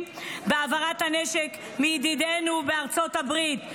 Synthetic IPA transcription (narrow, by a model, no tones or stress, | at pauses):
beavaʁathaneʃek | mijd̪id̪enubeaʁt͡so̞tabʁit